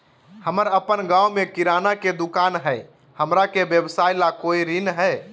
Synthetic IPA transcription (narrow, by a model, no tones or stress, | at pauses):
həməɾəpənɡãumekiɾanaked̪ukanɦəj | həmɾakebjəbsajlakoiɾinɦəj